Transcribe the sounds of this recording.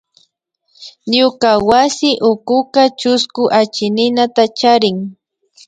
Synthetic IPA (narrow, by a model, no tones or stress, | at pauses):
ɲʊkawasɪʔʊkʊkat͡ʃʊskʊʔat͡ʃɪnɪnat̪at͡ʃaɾɪŋ